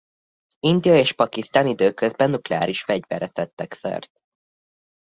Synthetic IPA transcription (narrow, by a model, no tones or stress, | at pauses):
ind̪ijɒeːʃpɒkist̪aːnid̪øːkøzbɛnːuklɛa̰ːɾiʃfɛɟvɛ̰ɾɛt̪ɛt̪ːɛksø̰rt̪̚